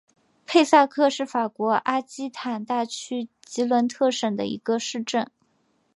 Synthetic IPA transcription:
pʰe˥˧ɪsa˥˧kʰɤ˥˧ʂɻ̩˥˩fa˨˩kwɔ˧˥ʔa˥t͡ɕi˥t̪ʰa˨˩nt̪a˥˩t͡ɕʰy˥ | t͡ɕi˧˥lwə˧˥nt̪ʰɤ˥˩ʂə˨˩d̪ə̰˦ḭ˧˥ɡə˧ʂɻ̩˥˧ʈ͡ʂə˥˩n

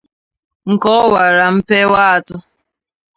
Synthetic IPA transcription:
ŋ̩˨kɔ˦wa˨ɾa˨m̩˦pe˦wa˦a˦tʊ˦

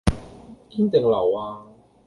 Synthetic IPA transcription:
kiː˥nt̪e˨˩ŋlɐ̰˨˩waː˧

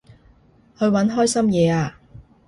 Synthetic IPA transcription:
hɵ˨˧ɥwɐ˨˥nɦɔː˥jsɐ˥mjɛː˨˧aː˧

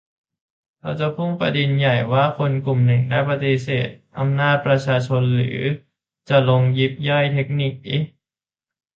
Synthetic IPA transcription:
kʰa˧wt͡ɕa˨˩pʰu˥˩ŋpa̰˧di˧nja˨˩jwaː˥˩kʰo˧nklu˨˩mnɯ˨˩ŋdaː˥˩jpa˧t̪i˧˥seː˨˩t̪̚ʔa˧mnaː˥˩t̪̚pɾa˧t͡ɕʰaː˧t͡ɕʰo˧nlɯ̰ː˩˦ | t͡ɕa˨˩lo˧ŋji˦˥p̚jɔ˥˩jt̪ʰe˦˥k̚ni˧˩k̚ʔi˦˥

